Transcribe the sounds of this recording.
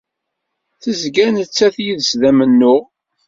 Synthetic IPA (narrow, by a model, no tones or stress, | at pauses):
θəzɡænət͡sːæθjiðəsðæmənːʊʁ